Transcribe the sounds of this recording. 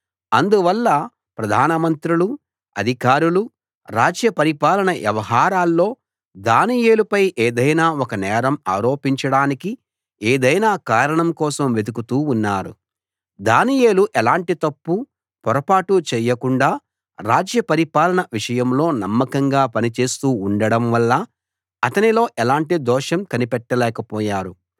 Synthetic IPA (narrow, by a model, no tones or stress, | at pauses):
ɐnd̪uʋɐlːɐ | pɾɐd̪ʱaːnɐmɐnt̪ɾulu | ɐ̰d̪ʱikaːɾulu | ɾaːd͡ʒjɐpɐɾipaːlɐɳɐʋjɐʋɐɦaːɾaːlːo̞ː | d̪aːnijeːlupɐjʔeːd̪ɐjnaːɔkɐnɛːɾɐmaːɾo̞ːpiɲt͡ʃɐɽaːniki | eːd̪ɐjnaːkaːɾɐɳɐmkɔːsɐmʋe̞d̪ukut̪uːnːaːɾṵ | d̪aːnije̞ːluʔɛlaːɳʈit̪ɐpːu | pɔɾɐpaːʈut͡ʃɛjːɐkuɳɖaː | ɾaːd͡ʒjɐpɐɾipaːlɐnɐʋiʂɐjɐmlo̞ːnɐmːɐkɐŋɡaːpɐnit͡ʃe̞ːst̪uːuɳɖɐɽɐmʋɐlːɐ | ɐt̪ɐnilo̞ːʔɛlaːɳʈid̪ɔːʂɐmkɐnipɛʈːɐlɛːkɐpɔːjaːɾu